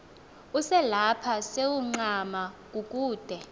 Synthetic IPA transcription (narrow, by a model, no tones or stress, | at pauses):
usɛlapʰasewuŋ͡ǀamak̬ʼukʼuːd̥ʱɛ